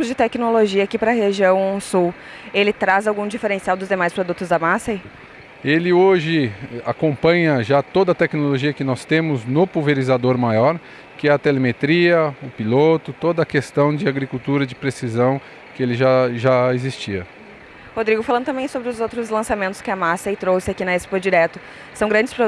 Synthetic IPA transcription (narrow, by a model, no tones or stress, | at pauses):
ʊzd͡ʒɪt̪ɛknoloʒiɐakipɾɐɦeʒiɐ̃w̃ũsuw | elɪt̪ɾazawɡũd͡ʒifeɾẽsiawd̪ʊzd̪emajspɾod̪ut̪ʊzd̪ɐmasɐi | elɪoʒɪa̰kõmpɐ̃ɲɐʒat̪od̪ɐt̪ɛknoloʒiɐkɪnɔst̪ẽmʊznʊpuveɾizad̪oɾmajɔɾ | kɪɛɐt̪elemet̪ɾiɐʊpilot̪ʊt̪od̪ɐkest̪ɐ̃w̃d͡ʒɪaɡɾikut̪uɾɐd͡ʒɪpɾesizɐ̃w̃ | kɪelɪʒaʒaezist͡ʃiɐ | hod̪ɾiɡʊfalɐ̃nʊt̪ɐ̃mbẽj̃sobɾɪʊzowt̪ɾʊzlɐ̃samẽnt̪ʊ̥skɪɐmasejt̪ɾowsɪakinɐespod͡ʒiɾɛt̪ʊ | sɐ̃w̃ɡɾɐ̃nd͡ʒɪ̥spɾo